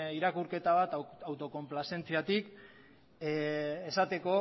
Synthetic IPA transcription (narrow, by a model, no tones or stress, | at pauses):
iɾakuɾke̞t̪aβ̞at̪awt̪o̞ko̞mplase̞nt͡siat̪ik | esat̪e̞ko̞